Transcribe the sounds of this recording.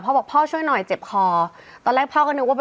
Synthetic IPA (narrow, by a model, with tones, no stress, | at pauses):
pʰɔː˥˩bɛː˨˩pʰɔː˥˩t͡ɕʰu˥˩əjnɔ˨˩jt͡ɕe˨˩p̚kʰɔː˧ | t̪ɔː˧lɛː˥˩k̚pʰɔː˥˩kɔ˥nɯ˧˥wa˥˩ɛ˨